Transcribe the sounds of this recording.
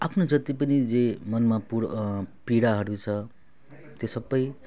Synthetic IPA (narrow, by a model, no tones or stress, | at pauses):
apʰnod͡zʌt̪ipʌnid͡zemʌnmapupiɽaɦʌɾut͡sʰʌ | t̪josʌbːʌj